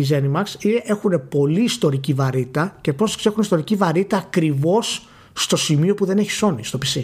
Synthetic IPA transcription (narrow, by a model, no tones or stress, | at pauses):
izenimɐksiʔe̞xune̞po̞liːst̪o̞ɾicivɐɾit̪ɐce̞po̞skse̞xunist̪o̞ɾicivɐɾit̪ɐːkɾivo̞sː | t̪o̞simio̞puðe̞ne̞çi̥so̞nist̪o̞pisi